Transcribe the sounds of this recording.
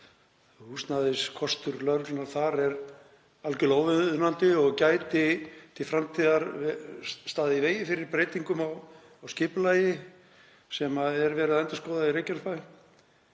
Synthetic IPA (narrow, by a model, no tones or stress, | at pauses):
hust̪naðɪskʰɔst̪ʏɾlœɾlnaɾ̥θaɾɛɾ | alcʏloːwvɪnant̪ɪɔɣcaːjt̪ɪt̪ʰɪlfɾamt̪ʰiːðaɾ | st̪aːðɪiveːjɪfɪɾɪɾpɾeːjt̪iŋkʏmawː | wscɪːpʏlaːjɪ | sɛmaɛɾvɛːɾɪðaɛjnt̪askɔːwðaðiɾeːjcansfaj